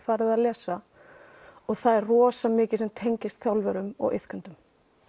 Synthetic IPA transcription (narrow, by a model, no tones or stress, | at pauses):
faːɾɪðaðlɛːsa | ɔɣθaðɛrrɔːsamɪːcɪ̥sɛmt̪ʰejɲcɪst̪θjawlvɛɾʏmɔ̰ɣʔɪ̰θkʰant̪ʏm